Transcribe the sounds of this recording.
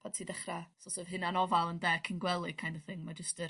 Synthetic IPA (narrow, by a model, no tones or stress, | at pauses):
pʰad̚tʰiːdɛχrasɔlˠsɛvhɨnanɔvalˠəndɛkʰɪnɡwɛlˠɨkʰajndəθɪŋmad͡ʒəstər